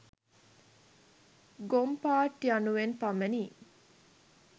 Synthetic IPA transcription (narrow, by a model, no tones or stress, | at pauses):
ɡompaːʈːiɐnuʋenpamɐniː